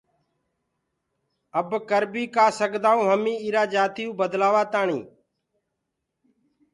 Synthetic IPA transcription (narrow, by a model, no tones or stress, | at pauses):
əbkəɾbiːkaːsəɡd̪aːũːɦəmĩːiːɾaːd͡ʒaːt̪ɪjũːbəd̪laːʋaːt̪aːɳḭː